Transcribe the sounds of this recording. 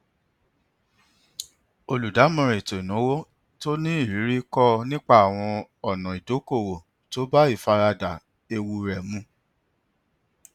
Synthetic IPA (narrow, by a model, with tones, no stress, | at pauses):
o˧lu˨da˨˦mɔ̃˧ɾe˨to˨i˨nũ˨˦wo˦ | to˦nĩ˦i˦˨ɾi˨˦ɾi˦kɔ˦nĩ˦k͡pa˦˨a˨w̃ɔ̃˧ɔ˨nɔ̃˨i˨do˨˦ko˦˨wo˨ | to˨˦ba˦i˦˨fa˧ɾa˧da˨ | e˧wu˧˨ɾɛ˨mũ˦